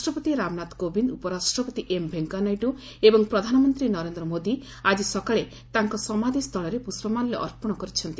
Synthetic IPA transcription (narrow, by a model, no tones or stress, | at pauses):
sʈɾɔpɔt̪iɾamnat̪kobind̪upɔɾasʈɾɔpɔt̪iʔembʱeŋkanajʈu | ebɔŋpɾɔd̪ʱanɔmɔnt̪ɾinɔɾend̪ɾɔmod̪i | ad͡ʒisɔkaɭe | t̪aŋkɔsɔmad̪ʱist̪ʰɔɭɔɾepusbɔmanleʔɔ̰ɾpɔɽ̃ɔkɔɾit͡ʃʰɔnt̪i